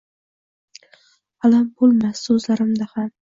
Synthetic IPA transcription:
alambolˠmasːɵzlaɾɪmd̪aham

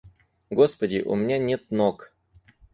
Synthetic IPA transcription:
ɡospədʲɪʔʊ̰mʲɪnʲanʲet̪̚nok

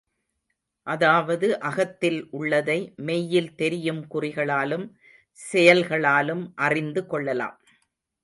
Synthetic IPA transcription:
ʔɐðaːʋɐðɯʔɐɣɐt̪ːɪlʔʊɭːɐðɐɪmɛjːɪlt̪ɛɾɪjɯmkʊrɪɣɐɭaːlɯm | sɛjɐlɣɐɭaːlɯmʔɐrɪnd̪ɯkɔɭːɐla̰ːm

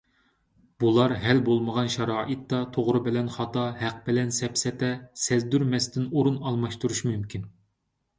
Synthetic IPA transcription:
b̥ulˠɑɾɦɛlbolˠməʁɑnʃɑɾɑːʔɨt̪ːɑt̪ʰoʁɾɨbɪlɛnχɑt̪ɑhæq̚bɪlɛnsɛpsɛt̪ɛsɛzd̪yɾmɛst̪ɪnoɾunɑlˠmɑʃt̪uɾuʃmymkʲʰin

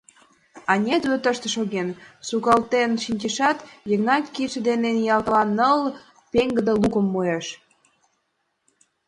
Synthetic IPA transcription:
ɑnʲed̪øt̪əʃt̪ə̆ʃoɣensukɑlt̪enʃinʲtʲeʃɑt̪jəɣnɑkːiʃəd̪enenjɑlt̪lɑnːəl | peŋɡə̆d̪ə̆lukə̆mːojeʃ

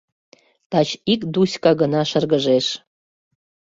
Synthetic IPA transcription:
t̪ɑt͡ɕikd̪usʲkɑɡənɑʃərɣəʒeʃ

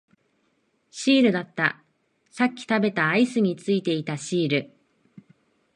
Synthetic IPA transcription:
ɕiːɾɯ̟d̪at̪ːa | sakʲːi̥t̪abe̞t̪aːisɨɲ̟it͡sɨit̪e̞it̪aɕiːɾɯ̟

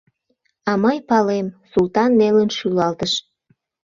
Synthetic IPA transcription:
ɑməjpɑlemsult̪ɑnːelənʃylɑlt̪əʃ

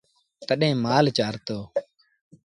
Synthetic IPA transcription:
k̪əɗẽːmaːlt͡ʃaːɾt̪oː

